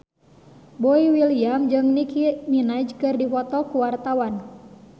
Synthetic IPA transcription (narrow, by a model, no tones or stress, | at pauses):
bɔiwiliamd͡ʒɨŋnikiminad͡ʒkɨrdifɔt̪ɔkuwart̪awan